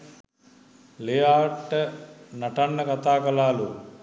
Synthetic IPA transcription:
lejaːʈːənaʈanːəkat̪aːkɐlaːlu

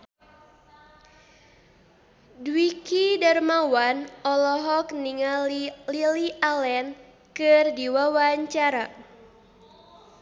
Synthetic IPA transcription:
dwikidarmawanɔlɔɦɔkniŋalililiʔalɛn | kɨrdiwawaɲt͡ʃaɾa

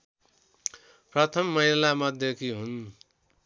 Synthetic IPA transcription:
prʌt̪ʰʌmːʌɦilamʌd̪ʱjʌkiɦun

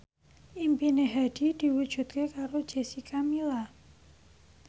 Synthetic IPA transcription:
ʔimpineɦad̪̥i̤d̪̥i̤wud̥ʒ̥ṳt̪̚kekaɾod̥ʒ̥e̤sikamila

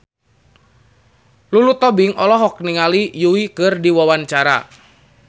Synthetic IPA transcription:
lulut̪ɔbɪŋɔlɔɦɔk̚niŋalijuwikərdiwawant͡ʃaɾa̰

